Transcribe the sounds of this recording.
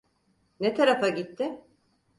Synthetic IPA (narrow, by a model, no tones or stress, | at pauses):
net̪ʰaɾafaɟit̪ʰːɪ